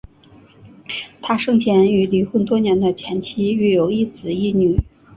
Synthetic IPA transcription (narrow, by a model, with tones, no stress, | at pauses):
t̪ʰa˥ʂɤ˥˧ŋt͡ɕʰjɛ˧˥ny˧˥li˨˥xwə˥˩nt̪wɔ˥njɛ˧˥nd̪ə˧t͡ɕʰjɛ˧˥nt͡ɕʰi˥y˥˩jo˨˧˩ʊi˥˩t͡sɹ̩˨˩i˥˩ny˨˩˦